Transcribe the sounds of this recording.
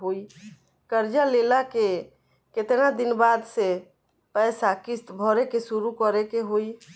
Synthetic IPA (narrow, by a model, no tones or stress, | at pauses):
ɦoi | kəɾd͡ʒalelake | ket̪nad̪inbad̪se | pəɪsakist̪bʱɔɾekesuɾukɔɾekeɦoi